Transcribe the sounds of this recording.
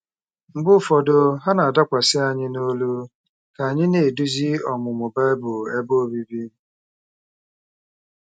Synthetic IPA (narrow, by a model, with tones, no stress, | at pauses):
m̩˨ɡ͡bʊ˦fɔ˨do˨ɦa˦na˨a˨da˦kʷa˨sɪ˦a˨ɲɪ˦no˦lu˦ | ka˨ɲɪ˦ne˨du˦zi˦ɔ˨mʊ˨mʊ˨ba˦e˦bʊ˨e˦bo˦bi˦bi˦